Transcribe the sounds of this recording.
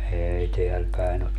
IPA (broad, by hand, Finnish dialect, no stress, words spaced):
eːi teæl pæin ot